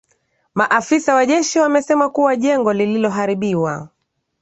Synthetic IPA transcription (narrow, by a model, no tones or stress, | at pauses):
maʔafisawaʄɛʃiwamɛsɛmakuwaʄɛŋɡɔlililɔɦaɾiɓiwa